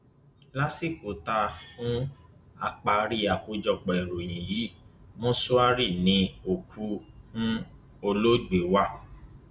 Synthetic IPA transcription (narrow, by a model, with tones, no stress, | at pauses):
la˦si˦˨ko˨ta˧ũ˦a̰˧k͡pa˧ɾi˦a˨ko˧˦d͡ʒɔ˧k͡pɔ˨ɛ˨ɾo˨j̃ĩ˨ji˨˦mõ˦so˦a˦ɾi˦˨nĩ˧˦o˨kʰu˦hũ˦ | o˧lo˦ɡ͡be˨wa˦˨